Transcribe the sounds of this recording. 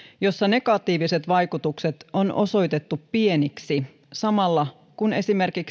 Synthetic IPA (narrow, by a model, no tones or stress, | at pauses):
jo̞sːɑne̞ɡɑt̪iːʋise̞t̪ʋɑjkut̪ukse̞t̪o̞nʔo̞̰so̞jt̪et̪ːupːie̞niksi | sɑmɑlːɑ | kune̞sime̞rkik